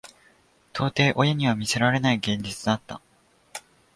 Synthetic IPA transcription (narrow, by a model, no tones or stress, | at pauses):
t̪ʰo̞ːt̪e̞ːʔo̞jaɲ̟iβ̞amʲise̞ɾaɾe̞naiɡẽ̞ɲ̟d͡ʑit͡sɨd̪at̪ːa